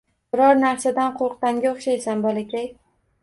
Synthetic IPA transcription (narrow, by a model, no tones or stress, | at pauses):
bɪɾɒɾnaɾsad̪anqʰoɾq̚t̪aŋɡʲaoχʃajsanbɒlakʲaj